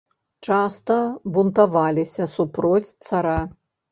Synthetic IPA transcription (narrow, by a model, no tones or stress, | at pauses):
t͡ʂast̪ɐbunt̪avalʲisʲɐsupɾɔt͡sʲt̪saɾa